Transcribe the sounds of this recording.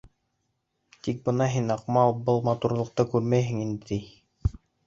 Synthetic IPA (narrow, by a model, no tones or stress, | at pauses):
t̪ik̚bɤ̆nɑɦinɑqmɑlˠbɤlˠmɑt̪uɾlˠɤ̆q̚t̪ɤkʉɾmæjɦɘ̆ŋind̪ɘt̪ij